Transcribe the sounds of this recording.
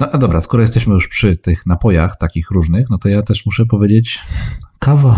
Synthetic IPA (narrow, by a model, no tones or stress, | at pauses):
nɔad̪ɔbɾaskɔɾɔjɛst̪ɛɕmɘjuʂpʂɘt̪ɘxnapɔjaxt̪akʲixɾuʐnɘxnɔt̪ɔjat̪ɛʂmuʂɛp̬ɔvʲed͡ʑet͡ɕkava